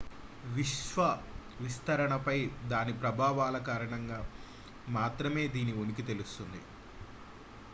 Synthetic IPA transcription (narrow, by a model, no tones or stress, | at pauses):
ʋiʃʋɐ | ʋist̪ɐɾɐɳɐpɐjd̪aːnipɾɐbʱaːʋaːlɐkaːɾɐɳɐŋɡaː | maːt̪ɾɐme̞ːd̪iːnionik̬it̪e̞lust̪und̪ḭ